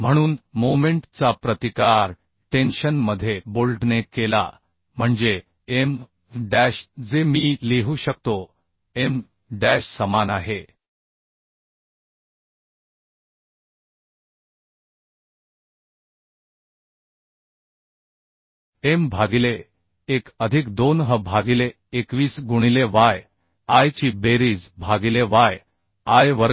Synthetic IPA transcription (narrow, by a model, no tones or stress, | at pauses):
m̤əɽ̃uːnmomeɳʈt͡sapɾət̪ikaɾ | ʈenɕənməd̪ʱːjebolɖnekela̰ | m̤əɳd͡ze | em | ɖæɕd͡zemiːleɦuːɕək̚t̪o | em | ɖæɕsəmanaɦe | embʱaɡile | ekəd̪ʱikd̪onɦəbʱaɡile | ekʋiːsɡuɽ̃ileʋaj | ajt͡ɕiːbeɾiːd͡zbʱaɡileʋaj | ajʋəɾ